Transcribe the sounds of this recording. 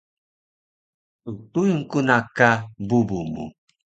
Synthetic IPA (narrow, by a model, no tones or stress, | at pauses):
utujuŋkunakabubumṵ